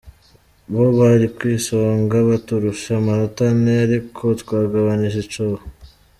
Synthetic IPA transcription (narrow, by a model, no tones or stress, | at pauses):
βoβaɾikwiːsoŋɡaβatuɾuʃamanotaneaɾikʰo̞tkwaːɡaβaniʒet͡ʃoh